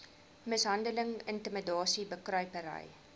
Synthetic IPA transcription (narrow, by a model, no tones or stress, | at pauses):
məsɦɐndələŋəntəmədɑːsibəkrœɥpəɾə̰j